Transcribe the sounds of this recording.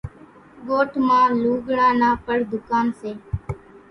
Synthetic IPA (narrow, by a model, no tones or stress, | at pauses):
ɡoːʈʰmãːluːɡɽãːnaːpəɽd̪ʊkaːnseː